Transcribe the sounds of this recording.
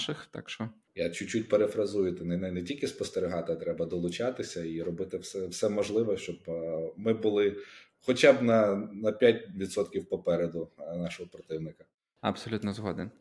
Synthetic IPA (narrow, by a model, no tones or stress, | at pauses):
ʃɪxt̪ɑ̰kʃt͡ʃɔ | jat͡ʃʊt͡ʃːutʲpeɾefɾɐzujʊt̪ɛnɛnɛnɛtʲilʲkʲɪspɔst̪eɾʲɪɦɑt̪ɪɐt̪ɾɛbɐd̪ɔlˠʊt͡ʃɑt̪ɪsʲɐiɾɔbɪt̪ɪwsɛwsɛmɔʒlˠɪʋɔʃt͡ʃɔbmɪbʊlˠɪ | xɔt͡ʃabnɐnɐpʲjat̚ʲʋʲit̪sɔt̪kʲiwpɔpɛɾed̪ʊnɑʃɔɦɔpɾɔt̪ɪwnɪkɐ | ɐ̰bsɔlʲut̪nɔzɦɔd̪en